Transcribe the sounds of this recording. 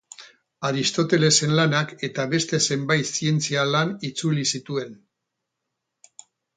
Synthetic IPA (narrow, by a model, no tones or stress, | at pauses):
aɾist̪o̞t̪e̞le̞se̞nlanake̞t̪aβe̞st̪e̞se̞mbajt̪sie̞nt͡sialanit͡sulisit̪ue̞n